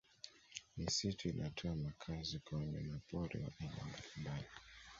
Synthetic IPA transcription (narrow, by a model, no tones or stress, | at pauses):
misitʰuinʔatʰɔamakʰazikaɲɛ̰napɔɾɛ̰wa̰ʔiɲa̰mbalimali